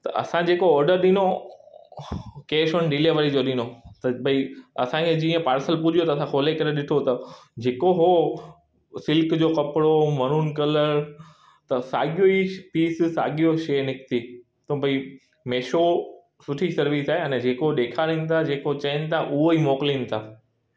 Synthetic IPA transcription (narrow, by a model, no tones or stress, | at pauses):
t̪ɐ̰ʔɐ̰sãd͡ʑeːkoɔːɾɖəɾɗino | keːʃənɖɪleːʋəɾid͡ʑoɗɪnot̪ɐbʱɐiɐsãkʰed͡ʑiːə̃paːɾsəlpʊd͡ʑʱijot̪ɐsãkʰoːlekɐɾeɗɪʈʰot̪ɐd͡ʑeːkoɦo | sɪlkd͡ʑokɐpɽomɐɾunkɐləɾ | t̪ɐsa̰ːɠijoipiːssa̰ːɠijoʃeːnɪkt̪i | t̪obʱɐi | meːʃo | sʊʈʰisɐɾʋisaːɦeɐnɛd͡ʑeːkoɗeːkʰaɾĩnɪ̆t̪ʰad͡ʑeːkot͡ɕɐ̃ɪnɪ̆t̪ʰaʔʊɦoimoːkliːnɪ̆t̪ʰaː